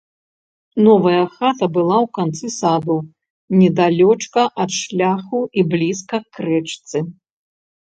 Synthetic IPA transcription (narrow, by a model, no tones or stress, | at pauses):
nɔvɐjɐxat̪ɐbɨlˠawkant̪sɨsad̪u | nʲɛd̪alʲɔt͡ʂkɐʔɐt̪ʂlʲaxuiblʲiskɐkːɾɛt͡ʂt̪sɨ